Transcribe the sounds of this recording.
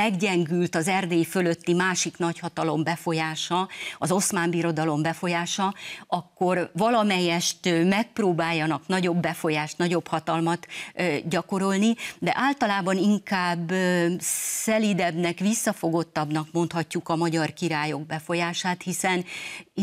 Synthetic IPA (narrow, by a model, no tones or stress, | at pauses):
ɛɡɟɛŋɡylt̪ɒzɛrd̪eːjfølø̞t̪ːimaːʃiknɒchɒt̪ɒlo̞mbɛfo̞jaːʃɒɒzo̞smaːmbiɾo̞d̪ɒlo̞mbɛfo̞jaːʃɒɒkːo̞rvɒlɒmɛjːɛʃt̪ːmɛk̚proːbaːjːɒnɒknɒɟo̞bːɛfo̞jaːʃt̪nɒɟo̞phɒt̪ɒlmɒt̪ɟɒko̞ɾo̞lnid̪ɛ̰ʔaːlt̪ɒlaːbɒniŋkaːbː | sɛlid̪ɛbnɛkʋisːɒfo̞ɡo̞t̪ːɒbn̪ɒkmo̞nt̪hɒcːukɒmɒɟɒrkiɾaːjo̞ɡ̚bɛfo̞jaːʃaːt̪hisɛn